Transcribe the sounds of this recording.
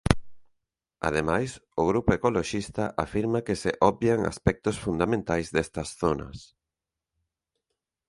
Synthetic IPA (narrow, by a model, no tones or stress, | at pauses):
a̰ð̞emajsʊɣ̞ɾupoekoloʃist̪ɐʔafiɾmɐkɪseʔɔbjaŋa̰spɛk̚t̪ʊsfund̪amẽnt̪ajzðɛst̪ɐsθonɐ̰s